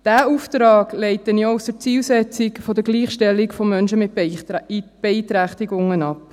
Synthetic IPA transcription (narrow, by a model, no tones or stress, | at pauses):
d̥æːuːftɾɑːɡleɪtːənjousd̥ət͡siːlsɛt͡sɪkfodəɡliːχʃtɛlɪkfɔmːœnʃəmɪt | b̥ɛitɾæχtiɡʊŋənɑp